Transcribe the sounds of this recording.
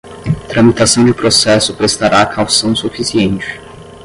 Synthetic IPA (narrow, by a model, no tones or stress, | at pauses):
t̪ɾɐ̃mit̪asɐ̃w̃d͡ʒɪpɾosɛsʊpɾest̪aɾaːkʰawsɐ̃w̃sufisiẽnt͡ʃɪ̥